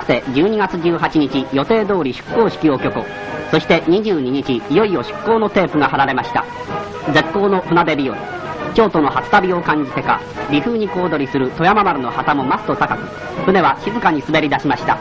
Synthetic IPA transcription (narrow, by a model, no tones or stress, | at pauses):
ɯ̥t̪e̞d͡ʑɨːɲ̟iɡat͡sɨʑɨːɦat͡ɕiɲit͡ɕijo̞t̪e̞ːd̪o̞ːɾʲiɕɨ̥kːo̞ːɕi̥kʲio̞kʲo̞ko̰ | so̞ɕi̥t̪e̞ɲ̟iʑɨːɲ̟iɲ̟it͡ɕiːjo̞io̞ɕɨ̥kːo̞ːno̞t̪e̞ːpɯ̟ɡaɦaɾaɾe̞maɕi̥t̪a̰ | d͡ze̞kːo̞ːno̞ɸɯ̟nad̪e̞bʲio | t͡ɕo̞ːt̪o̞no̞hat͡sɨ̥t̪abʲio̞kãɲ̟d͡ʑit̪e̞ka̰ | ɾʲiɸɯ̟ːɲ̟iko̞ːd̪o̞ɾʲisɨɾɯ̟t̪o̞jamamaɾɯ̟no̞hat̪amo̞mast̪o̞t̪akakɯ̟̥ | ɸɯ̟ne̞β̞aɕizɨkaɲ̟isɨbe̞ɾʲid̪aɕimaɕi̥t̪a̰